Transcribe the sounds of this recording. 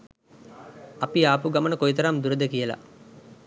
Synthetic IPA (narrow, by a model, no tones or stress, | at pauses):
ɐpiaːpuɡamənəkojt̪ɐɾamd̪uɾəd̪əkijəla̰